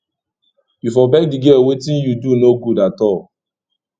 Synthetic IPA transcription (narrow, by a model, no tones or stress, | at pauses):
bifɔbɛɡ̚diɡewetĩnjudunoɡudatɔl